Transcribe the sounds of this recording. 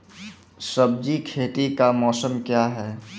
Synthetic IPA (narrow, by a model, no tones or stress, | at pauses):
səb̚d͡ʒikʰeːʈ̪ikamɔːsəmkjaːɦɛː